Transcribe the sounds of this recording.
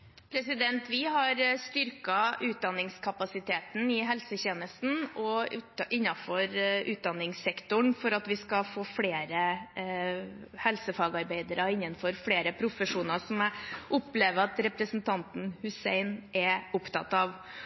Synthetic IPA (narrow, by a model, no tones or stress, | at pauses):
pʰɾɛsɪd̪ɛnt̪ʰʋɪɦɑɾst̪ʏɾkɑʉːt̪̚d̪ɑnːɪŋskʰɑpɑsɪt̪ʰeːt̪n̩ɪɦɛlsəçeːnəst̪n̩ɔʉʔɪnːɑfɔɾʉːt̪̚d̪ɑnːɪŋsɛkt̪ʊɳfɔɾɑt̪ʋɪskɑfoːfleːɾə | hɛlsəfɑːɡɑɾbæɪd̪əɾəɪnːənfɔɾfleːɾəpʰɾʊfəʂuːnəsɔmʔʊpleːʋəɑt̪ɾɛpɾəsn̩t̪ʰɑnt̪n̩hʉsæ̰ɪnʔɛʊpt̪ʰɑ̰t̪ɑʋ